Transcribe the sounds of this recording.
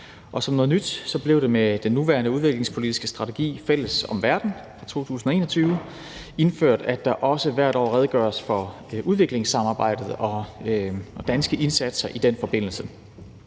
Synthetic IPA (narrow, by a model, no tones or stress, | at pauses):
ʔɒ̽sɒ̽mnɔ̽ːð̞ˠnyd̥sɒ̽b̥le̝ʊɾe̝med̥enːuʋæːɐnəuð̞ˠʋe̝ɡ̥le̝ŋspʰo̝lid̥isɡ̥əsd̥ʁɑ̈t͡sʰe̝ɡ̥ḭːfel̰əsɒ̽mʋæɐd̥n̩fʁɑ̈t͡sʰo̝̰ːt͡sʰṵːs̬n̩ɒ̽e̝ːnɐɒt͡sʰyːʊ | e̝nføɐ̰d̥æd̥ɑ̈ʔɒ̽səʋæɐɾ̥ɒ̰ːʁɛð̞ˠɡ̥ɶːɐsfɒ̽ | uðˠʋe̝ɡ̥le̝ŋsɑ̈mɑ̈ːb̥ɑ̈ɪ̰d̥ð̩ˠɒ̽ | ɒd̥ænsɡ̥əʔe̝nsæd̥sɐʔid̥enfɒ̽b̥e̝n̰l̩sə